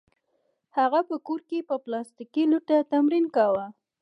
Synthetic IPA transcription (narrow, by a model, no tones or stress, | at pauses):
haɣapəkoɾkepəplɑst̪ikiluʈat̪amɾinkawa